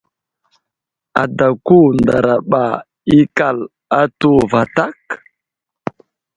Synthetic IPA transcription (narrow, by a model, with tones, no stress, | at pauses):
a̰˨da˨ku˦nda˨ɾa˨ɓa˨ | i˦ka˦˨l | a˦tu˦va˨ta˦k